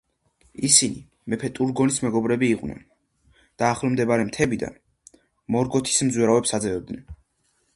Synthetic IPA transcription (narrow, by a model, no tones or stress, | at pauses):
isini | mɛpʰɛt̪ʼuɾɡɔnismɛɡɔbɾɛbiːqʼwnɛ̰n | d̪̥aːχlɔmd̪ɛbaɾɛmt̪ʰɛbid̪a̰n | mɔɾɡɔt̪ʰi̥smd̪zwɛɾavɛpsad̪zɛvɛb̚d̪nɛn